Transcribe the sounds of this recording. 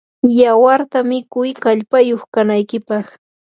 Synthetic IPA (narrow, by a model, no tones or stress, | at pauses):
jawaɾt̪amɪkʊjkaʎpajoχkanajkɪpɑχ